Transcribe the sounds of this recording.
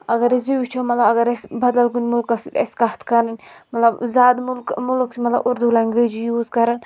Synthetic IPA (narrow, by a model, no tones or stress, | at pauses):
ɐɡɐɾez̬iʋit͡ʃʰomɐt̪lɐbɐɡɐɾesʲbɐd̪ɐlɡunʲmulkɐsit̪ɐ̰skɐht̪ʰkɐɾɐnʲmɐt̪lɐbzaːd̪mulkmulkt͡ʃʰimɐt̪lɐ̰buɾd̪ulaŋɡʲʋed͡ʒijuːzkɐɾɐn